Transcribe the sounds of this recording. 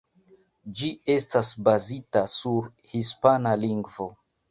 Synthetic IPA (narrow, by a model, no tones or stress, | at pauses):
d͡ʒie̞stasbazitasuɾ | hispanaliŋɡvo̞